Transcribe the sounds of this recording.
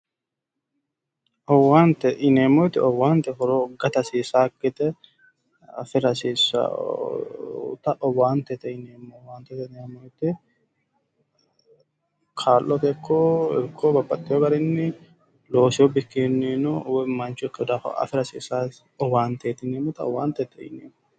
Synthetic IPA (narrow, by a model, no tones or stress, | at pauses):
ʔɔwaːnt̪ɛʔɪneːmːɔt̪ːɪɔwaːnt̪ɛkɔɾoɡɐt̪ɐsiːsaːkːɪt̪ɛ | ɐfɪɾɐsiːsːa̰ | t̪ɐʔɔwaːnt̪ɛt̪ɛɪneːmːowaːnt̪ɛt̪ɛneːmːot̪ːɪ | kʰaːlʔɔt̪ɛkʰːoːɛkʰːobɐbɐt̪ʼːɪjoɡɐɾɪnːɪ | loːsɪobɪkːenːinowɛmːɐnt͡ʃʊɪkːɛɔd̪a̰ːɐ̰fɪɾɐsḭːsaː | ɔwaːnt̪ɛt̪ɪneːmːɔt̪ɐɔ̰waːnt̪ɛt̪ːɛɪ̰nḛːmːo